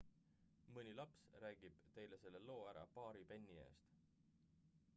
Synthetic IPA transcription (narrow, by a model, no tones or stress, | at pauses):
mɯnʲilɑpsræːɡ̥ib̥t̪e̞jle̞se̞lːe̞lo̞ːæɾɑ̰pɑːɾipe̞nʲːie̞̰ːst̪